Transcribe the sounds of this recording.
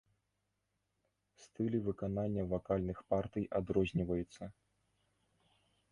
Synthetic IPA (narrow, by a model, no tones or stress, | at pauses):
st̪ɨlʲivɨkananʲːɐvakalʲnɨxpart̪ɨjad̪ɾɔzʲnʲivɐjut̪sːɐ